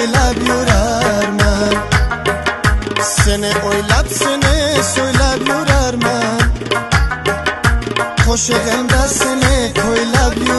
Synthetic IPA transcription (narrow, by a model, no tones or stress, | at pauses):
jlabjoɾaɾman | seneʔojlabsenesojlabjoɾaɾman | kʰoʃeɣɛnd̪asenekʰojlabjo